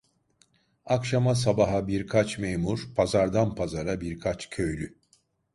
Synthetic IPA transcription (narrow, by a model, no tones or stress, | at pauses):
akʃamas̬abaɦabiɾkʰat͡ʃmejmuɾ̥pʰazaɾd̪anpʰazaɾabiɾkʰat͡ʃcʰø̞jlʲy